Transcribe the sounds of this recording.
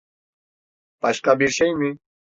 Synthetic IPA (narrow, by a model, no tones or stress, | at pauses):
paʃkabɪɾʃajmɪ